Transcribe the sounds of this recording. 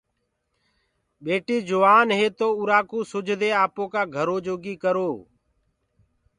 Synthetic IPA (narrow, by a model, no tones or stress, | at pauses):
ɓeːʈiːd͡ʒʊʋaːnɦeːt̪oːʊɾaːkuːsʊd͡ʒʱd̪eːaːpõːkaːɡʱəɾoːd͡ʒoːɡiːkəɾoː